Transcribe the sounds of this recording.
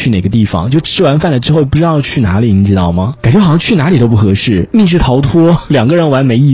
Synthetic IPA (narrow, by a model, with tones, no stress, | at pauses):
t͡ɕʰy˥˩ne˨˩ɡə˦t̪̬i˥˩fɑ̰˨˩ŋt͡ɕjo˥˩ʊʈ͡ʂʰɻ̩˥wa˧˥nfa˥˩nlə˩ʈ͡ʂɻ̩˥xo˥˧ʊp̬u˥˩ʈ͡ʂɻt̪ɑ˥˧ʊ˧t͡ɕʰy˥˩na̰˧˥li˨˩ni˧˥ʈ͡ʂɻ̩˥t̪ɑ˥˩ʊmɐ˩ka˨˩nt͡ɕɥɛ˧˥˨ɕjɑ˥˧t͡ɕʰy˥˩na˧˥li˨˩t̪o˥ʊp̬u˥˩xɤ˧˥ʂɻ̩˥˩mi˥˧ʂ̬ɻ̩˥˩t̪ʰɑ˧˥ʊt̪ʰwɔ˥ljɑ˨˩ŋɡə˦˧ɻə˧˥nwa˧˥nme˧˥ɪi˥˩